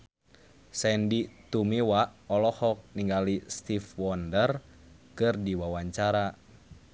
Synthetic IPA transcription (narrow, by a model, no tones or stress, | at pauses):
sɛndit̪umiwaʔɔlɔhɔk̚niŋɡalist̪ifwɔndər | kɨrdiwawaɲt͡ʃaɾa